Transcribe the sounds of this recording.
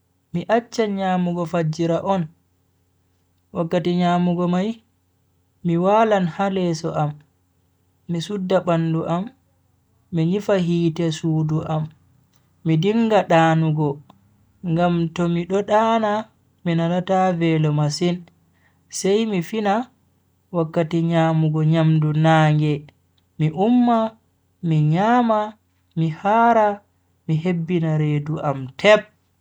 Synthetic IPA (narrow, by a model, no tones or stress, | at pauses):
miʔat͡ʃːaɲaːmuɡɔfad͡ʒiɾaʔɔn | wakːatiɲaːmuɡɔmaj | miwaːlanhalɛsɔʔam | isudːaɓanduʔamː | iɲifaɦiːtɛsuːduʔamː | idiŋɡaɗaːnuɡɔ | ŋɡamtɔmiɗɔɗaːna | minanatavɛlɔmasin | sɛjmifina | wakːatiɲamuɡɔɲamdunaːŋɡɛ | miʔumːa | miɲaːma | mihaːɾa | miɦebːinaɾeːduʔamtʰɛp̚